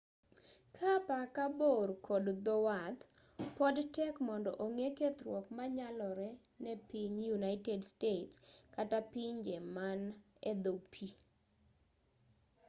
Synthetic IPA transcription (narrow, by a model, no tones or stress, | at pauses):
kʰapakaboɾkʰɔdd̪ɔwat̪ | pɔdtɛkmɔndɔ̰ʔoŋeket̪ɾwɔkmaɲalɔɾɛ | nɛpiɲjunaɪtɛdstetkatapiɲd͡ʒɛman | ɛd̪opʰi